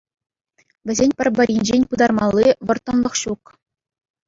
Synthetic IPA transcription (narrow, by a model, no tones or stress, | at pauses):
ʋʲɘ̆zʲenʲpʲɘ̆rʲbɘ̆rʲjinʲd͡ʑenʲpɯd̪ɑrmɑlˠʲːiʋɤ̆rt̪ːɤ̆nlˠɤ̆χɕuk